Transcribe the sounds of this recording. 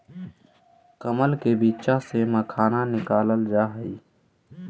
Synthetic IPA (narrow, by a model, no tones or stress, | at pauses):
kəməlkebiːtt͡ʃaseməkʰaːnanɪkaːləld͡ʒaːɦəi